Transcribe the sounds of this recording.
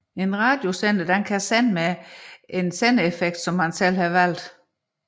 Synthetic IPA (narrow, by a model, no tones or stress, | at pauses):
e̝nʁɑ̈ːd̥jo̝send̥əd̥enkʰæsenmeensenəefeɡ̥̚d̥sɒ̽mːænsel̰hɑʋæl̰d̥